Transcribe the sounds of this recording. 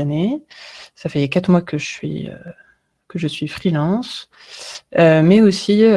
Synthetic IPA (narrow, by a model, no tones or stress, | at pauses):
ane | safɛkat̪χmwakəʒəsɥḭø̰ | kəʒəsɥifχilɑ̃s | ømɛosi